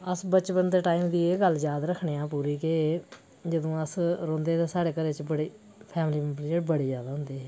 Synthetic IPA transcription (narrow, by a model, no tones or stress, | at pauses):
əsbət͡ʃpənt̪eːʈaːiːmd̪iːeːɡəld͡ʒjaːd̪ɾəkʰɳeːãːpuːɾiːke | d͡ʒəd̪õːəsɾõːnd̪eːt̪eːsaːɽeːkəɾeːt͡ʃbəɽiː | pʰɛːmliːmpɾd͡ʒəʈbəɽeːd͡ʒjaːd̪aːɦʊnd̪eːɦɛː